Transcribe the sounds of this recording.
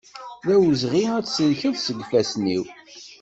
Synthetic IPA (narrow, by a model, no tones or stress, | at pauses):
ðæwəzʁiæt͡sːsəlçəðsəɡʷfæsnḭw